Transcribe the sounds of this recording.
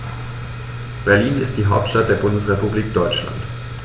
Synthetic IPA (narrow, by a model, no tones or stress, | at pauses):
b̥ɛɐliːnɪst̚d̥iːɦaʊp̚tʃtat̚d̥eːɐbʊndəsʁepubliːk̚d̥ɔʏt͡ʃla̰nt